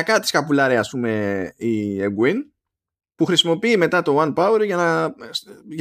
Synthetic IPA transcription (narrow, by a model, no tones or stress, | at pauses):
ɐkɐt̪i̥skɐpulɐɾeɐspume̞ieɡwin | puxɾisimo̞piːme̞t̪ɐt̪o̞wɐnpɐwe̞ɾʝɐnɐ | ʝ